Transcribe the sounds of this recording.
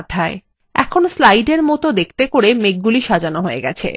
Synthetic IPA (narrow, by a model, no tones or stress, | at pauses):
d̪ʱːae | ɛ̰kʰonslajɖeɾmɔt̪od̪ek̚ʰt̪ekoɾemek̚ɡuliʃad͡ʑanoɦoḛɡɛ̰t͡ɕʰḛ